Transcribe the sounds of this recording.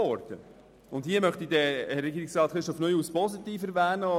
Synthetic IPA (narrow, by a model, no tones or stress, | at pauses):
ɔɾd̥̪ə | ʊndhiəmœχt̪idɛhɛɾːɛɡiːɾɪksrɑːt̪χɾɪʃtɔfnœjuːspɔsit̪iːfɛɾvæːnə